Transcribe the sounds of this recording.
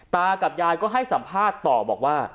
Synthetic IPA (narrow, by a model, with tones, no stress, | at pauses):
t̪aː˧ka˨˩p̚jaː˧jkɔː˥˩ɦa˥˩jsa˩˦mpʰaː˥˩t̪ːɔː˨˩bɔː˨˩k̚waː˥˩